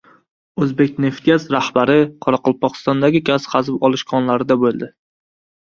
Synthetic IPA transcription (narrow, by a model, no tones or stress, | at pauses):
ɵzbe̞k̚ʲne̞ft̪̚ɡʲazɾahbaɾɪqʰɒɾɑqɒlˠpʰɒqɨ̥st̪ɒnd̪aɡʲɪɡʲaz̥χɑzɪpɒlˠɪʃkʰɒnlaɾɪd̪abolˠd̪ɪ